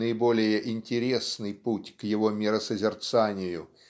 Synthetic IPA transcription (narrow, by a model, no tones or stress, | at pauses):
əibolʲɪjəʔinʲtʲɪɾʲesnɨjputʲkjɪvɔmʲɪɾəsəzʲɪrt̪sanʲɪjʊ